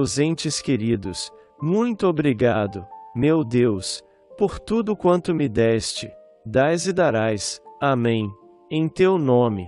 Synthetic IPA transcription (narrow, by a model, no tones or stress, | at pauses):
zẽnt͡ʃɪskeɾid̪ʊs | mũj̃t̪ʊobɾiɡad̪ʊmewd̪ews | poɾt̪ud̪ʊkwɐ̃nt̪ʊmɪd̪ɛst͡ʃɪ | d̪ajzɪd̪aɾajsamẽj̃ | ẽj̃t̪ewnõmɪ